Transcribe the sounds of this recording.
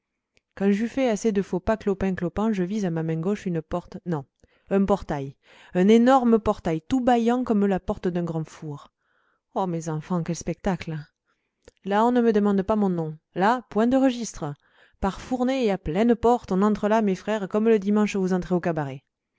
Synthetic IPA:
kɑ̃ʒyfɛased̪əfopaklɔpɛ̃klɔpɑ̃ʒəvizamamɛ̃ɡɔʃynəpɔʁt̪nɔ̃ | ɛ̃pɔʁt̪aj | ɛ̃nenɔʁməpɔʁt̪ajt̪ubajɑ̃kɔmlapɔʁt̪əd̪ɛ̃ɡʁɑ̃fuʁ | ɔmezɑ̃fɑ̃kɛlspɛk̚t̪akl | laɔ̃nəməd̪əmɑ̃d̪pamɔ̃nɔ̃lapwɛ̃d̪əʁəʒist̪χə | paʁfuʁneːaplɛ̃nəpɔʁt̪ɔ̃nɑ̃t̪χəlamefχɛʁkɔmləd̪imɑ̃ʃvuzɑ̃t̪χeokabaʁe

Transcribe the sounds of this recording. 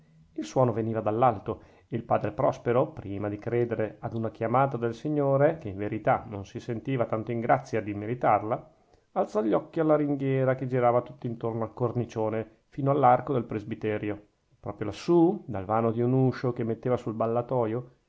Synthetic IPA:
ilswɔːnoveniːvad̪alːalt̪o | eilpaːd̪ɾepɾɔspeɾopɾiːmad̪ikɾeːd̪eɾead̪unakjamaːt̪ad̪elsiɲːoːɾekeiɱveɾit̪anonsisent̪iːvat̪ant̪oiŋɡɾʔat̪sːjad̪imeɾit̪arla | alt̪sɔʎːɔkːialːaɾiŋɡjɛːɾaked͡ʒiɾaːvat̪ut̪ːint̪ornoalkornit͡ʃoːne | fiːnoalːarkod̪elpɾezbit̪ɛːɾjo | pɾɔːpɾjolasːud̪alvaːnod̪iunuːʃokemːet̪ːeːvasulbalːat̪ɔːjo

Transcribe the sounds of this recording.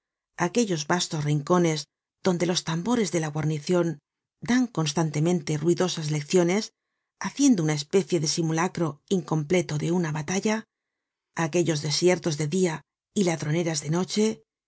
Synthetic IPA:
ake̞ʎo̞zβast̪o̞sriŋko̞ne̞z | ð̥o̞nd̪e̞lo̞st̪ambo̞ɾe̞zðe̞laɣwaɾniθjo̞n | d̪aŋko̞nst̪ant̪e̞mẽ̞nt̪e̞ruiðo̞sazle̞kθjo̞ne̞s | aθje̞nd̪ounaespe̞θje̞ðe̞simulakɾo̞iŋko̞mple̞t̪o̞ðe̞unaβat̪aʎa | ake̞ʎo̞zðe̞sje̞ɾt̪o̞zðe̞ðia | ilaðɾo̞ne̞ɾazðe̞no̞t͡ʃe̞

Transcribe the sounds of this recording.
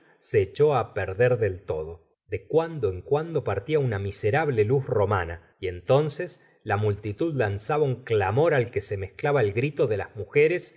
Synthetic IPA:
seːt͡ʃo̞apeɾðeɾðe̞lt̪o̞ð̞o̞ | ðekwand̪oeŋkwand̪o̞paɾt̪iaunamiseɾaβlelusro̞mana | je̞nt̪o̞nses | lamult̪it̪uðlansaβauŋklamo̞ɾalkese̞mehklaβaelɣɾit̪o̞ðe̞lazmuxeɾes

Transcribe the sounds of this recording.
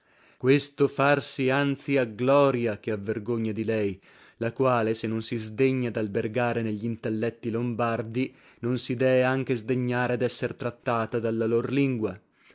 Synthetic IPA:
kwest̪ofarsiant̪siaɡlɔːɾjak̟eavːerɡoɲːad̪ilɛj | lakwaːlesenːonsizd̪eɲːad̪alberɡaːɾeneʎːint̪elːɛt̪ːilombard̪i | nonsid̪ɛːveaŋk̟ezd̪eɲːaːɾead̪ɛsːert̪ɾat̪ːaːt̪ad̪alːalorliŋɡwa

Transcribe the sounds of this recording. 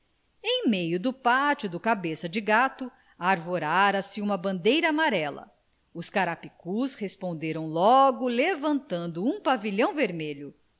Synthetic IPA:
ẽj̃mejʊd̪ʊpat͡ʃʊd̪ʊkabesɐd͡ʒɪɡat̪ʊ | aːɾvoɾaɾɐsɪũmɐbɐ̃nd̪ejɾɐːmaɾɛlɐ̰ | ʊskaɾapikushespõnd̪eɾɐ̃w̃lɔɡʊlevɐ̃nt̪ɐ̃nd̪ʊũpaviʎɐ̃w̃veɾmeʎʊ

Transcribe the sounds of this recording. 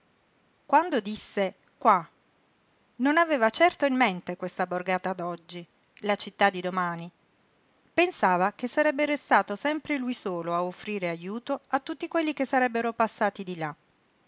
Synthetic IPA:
kwand̪od̪isːe | kwa | nonaveːvat͡ʃɛrt̪oimːent̪ekwest̪aborɡaːt̪ad̪ɔd͡ʒːi | lat͡ʃit̪ːad̪ːid̪omaːni | pensaːvak̟esːaɾɛbːeɾest̪aːt̪osɛmpɾelujsoːloaofːɾiːɾeajuːt̪oat̪ːut̪ːikwelːikesːaɾɛbːeɾopasːaːt̪id̪ila

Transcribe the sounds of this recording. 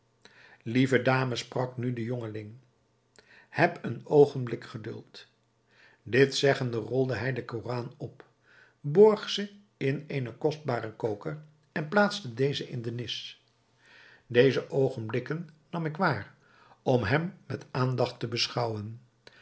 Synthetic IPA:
livədaːməsprɑknydəjɔŋəlɪŋ | hɛpənowχənblɪkχədɵ̰lˠt | dɪtsɛχəndərɔlˠdəɦɛjdəkoraːnɔp | bɔɹχsə | ɪnejnəkɔsd̚baːrəkowkər | ɛnplaːtstədejzəʔɪ̰ndənɪs | dejzəʔowχənblɪkənː | ɑmɪkʋaːr | ɔmɦɛmːɛtaːndɑχtəbəsχɑwən

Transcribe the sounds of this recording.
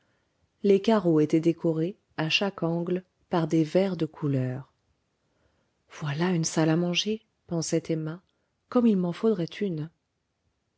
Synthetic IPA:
lekaʁoet̪ɛd̪ekʰɔʁe | aʃakɑ̃ɡl | paʁd̪evɛʁd̪əkʰulœːʁ | v̥walaynsalamɑ̃ʒe | pɑ̃sɛt̪ɛma | kɔmilmɑ̃fod̪ʁɛt̪ʰyn

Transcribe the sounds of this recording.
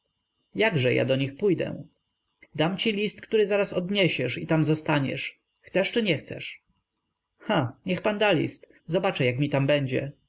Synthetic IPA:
jaɡʐɛja̰d̪ɔɲixpujd̪ɛ̰ | d̪amt͡ɕilʲist̪kt̪uɾɘzaɾasɔd̪ɲɛɕɛʂit̪amzɔst̪aɲɛ̰ʂ | xt̪sɛʂt͡ʂɘɲɛxt̪sɛ̰ʂ | xaɲɛxpand̪alʲḭst̪ | zɔbat͡ʂɛjakmʲit̪ambɛɲd͡ʑɛ̰

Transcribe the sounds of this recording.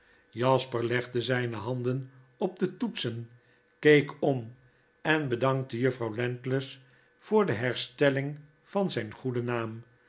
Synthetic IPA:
jɑspəɹlɛχdəzɛjnəɦɑnd̪ən | ɔb̚dətutsən | kejkɔm | ɛnbədɑŋk̚təjɵfrɑwlɛntləs | fʊːɹdəɦɛɹstɛlɪŋ | fɑnzɛjnχudənaːm

